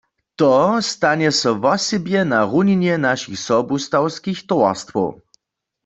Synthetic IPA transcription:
t̪ɔst̪aɲɛsɔvɔsɛbjɛnaʁuninjɛnaʃixsɔbust̪awskixt̪ɔwa̰ʁst̪fɔ̰w

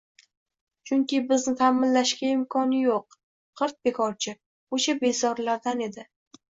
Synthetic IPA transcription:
t͡ʃʰʊŋkʲɪbɪznɪt̪ʰamɪnlaʃkʲaɪmkʰɒnɪjoq̚ | qʰɨɾt̪̚be̞kʰɒɾt͡ʃʰɪ | oʃabe̞zɒɾlaɾd̪ane̞d̪ɪ

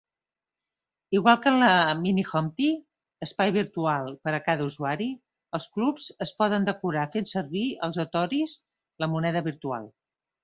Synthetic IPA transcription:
iɣ̞walˠkələminixɔmt̪i | əspajβ̞iɾt̪ualˠpəɾəkaðəuzuaɾi | əlˠsklupz̥əspɔðənd̪əkuɾafensəɾβiə̰lˠzot̪ɔɾiz | ləmunɛðəβiɾt̪ua̰lˠ

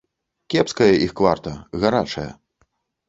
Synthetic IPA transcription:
kʲɛpskɐjɐʔixkvart̪ɐɣaɾat͡ʂɐjɐ̰

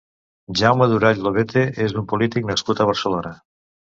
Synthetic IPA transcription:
ʒawmaðuɾaʎloβet̪eʔezd̪umpulit̪iknaskut̪əβ̞əɾsəlonə

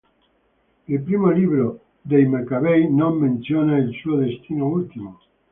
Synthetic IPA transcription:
elpɾimoliβɾo | d̪ejmekaβejnõmːẽnθjonaelsuoðest̪inoult̪imo

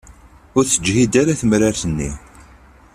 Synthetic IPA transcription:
ʊɾθəd͡ʒhid̪aɾaθəmɾaɾθənːḭ

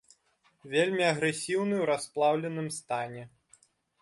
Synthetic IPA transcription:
vʲelʲmʲiɐɣɾɛsʲiwnɨwɾasplˠawlʲɛn̪ɨmst̪anʲɛ

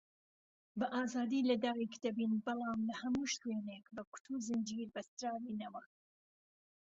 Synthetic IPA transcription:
bɐʔaːzaːd̪iːlɐd̪aːwikd̪ɐbiːnbɨlˠɑːmlɐhɐmuːʃt̪weːneːkbɐku̥t̪ʰuːzɨnd͡ʒiːɾbɐst̪ɾaːviːnɐwɐ

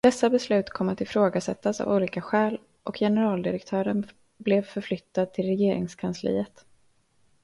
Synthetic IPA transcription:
d̪̥ɛsːabɛslʉ̟ːt̪kʰɔmːat̪ɪfɾoːɡasɛt̪ːasa̰vuːliːkaɧɛːl | ʔɔkʰjɛnɛɾɑːld̪ɪɾɛkt̪ʰœːɾən | blɛvfœɾflʏt̪ːad̪̚t̪ʰɪlɾɛjeːɾɪ̰ŋskʰanslḭːət̪

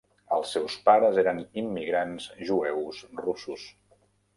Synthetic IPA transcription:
əlˠsːɛwspaɾəzeɾənimːiɣɾanzʒuɛwzrusus

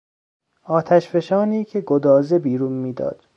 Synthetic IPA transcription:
ɒːt̪ʰæʃfe̞ʃɒːniːcʰe̞ɡod̪ɒːzebiːɾuːnmiːd̪ɒ̰ːd̪̥

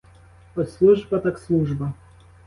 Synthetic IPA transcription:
ɔslˠuʐbɐt̪akslˠuʐbɐ

